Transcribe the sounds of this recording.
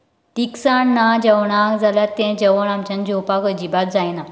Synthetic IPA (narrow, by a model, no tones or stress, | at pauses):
t̪iksaɳːad͡ʑəwɳakd͡zaljat̪ːɛ̃d͡ʑəʋəɳamt͡ɕjãnd͡ʑopakəd͡ʑibat̪̚d͡zajna